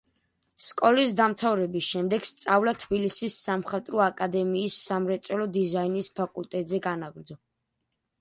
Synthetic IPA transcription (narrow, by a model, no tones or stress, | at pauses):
skʼɔlisd̪amt̪ʰavɾɛbisʃɛmd̪ɛɡ̥st̪sʼavlat̪ʰbilisisːamχat̪ʼɾɔakʼad̪ɛmiːsːamɾɛt̪sʼwɛlɔd̪izainispʰakʼult̪ʼɛt̪ʼzɛɡanaɡɾd̪zɔ